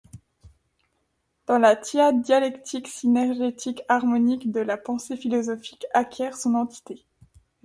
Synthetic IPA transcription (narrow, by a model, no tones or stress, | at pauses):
d̪̥ɑ̃lat̪jad̪jalɛkt̪ʰiksinɛʁʒit̪ʰikaʁmɔnikd̪əlapɑ̃sefilɔzɔfi̥kakʲjɛʁsɔ̃nɑ̃t̪i̥t̪e